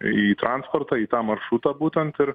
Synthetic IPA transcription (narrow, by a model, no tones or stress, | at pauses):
iːt̪ɾʔɑnspoːɾt̪ɑːiːt̪ɑːmɐɾʃut̪ɑːbuːt̪ʲɛnt̪ɪɾ